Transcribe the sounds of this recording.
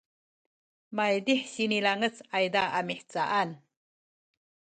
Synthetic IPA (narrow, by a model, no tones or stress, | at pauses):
majdiħsinilaŋət͡sajdaamiħt͡saʔan